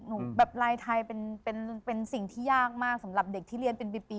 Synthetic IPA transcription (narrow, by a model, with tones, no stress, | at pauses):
nu˨˦bɛː˨˩p̚ɾaː˧jt̪ʰa˧jpe˧npe˧npe˧nsi˨˩ŋt̪ʰiː˥˩jaː˥˩k̚maː˥˩k̚sa˩˦mɾa˨˩p̚de˨˩k̚t̪ʰiː˥˩li˧ənpe˧npi˨˩pi˧